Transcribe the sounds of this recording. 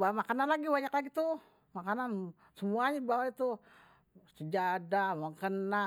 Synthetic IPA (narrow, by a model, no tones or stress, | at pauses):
bawamakananlaɡibaɲaklaɡit̪u | makanan | səmuaɲadibawait̪u | səd͡ʒadamaŋkəna